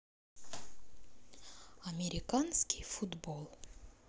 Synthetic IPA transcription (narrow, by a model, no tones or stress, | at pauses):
ɐmʲɪɾʲɪkanskʲɪ̥jfʊd̪bolˠ